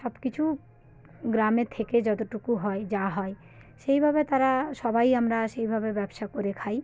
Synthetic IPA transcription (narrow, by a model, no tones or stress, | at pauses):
ʃɔbkit͡ɕʰu | ɡɾamet̪ʰeked͡ʑɔt̪oʈukuɦɔed͡ʑaɦɔe | ʃejbʱabet̪aɾaʃɔbajamɾaʃejbʱabebɛbʃakoɾekʰaj